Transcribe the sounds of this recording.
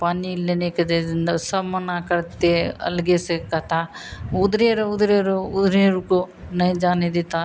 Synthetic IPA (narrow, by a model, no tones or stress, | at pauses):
paːnilːeneːkɐd̪eind̪ɐsɐmɐnaːkɐɾt̪ːeɐ̰lɡesekɐt̪ʰaud̪ɾeːɾɐud̪ɾeɾuud̪ɾeːɾuko | nɐjd͡ʒaːned̪it̪a